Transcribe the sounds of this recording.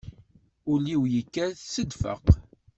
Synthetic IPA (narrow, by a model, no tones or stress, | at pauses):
ʊliwjikːæθsəd̪fə̰q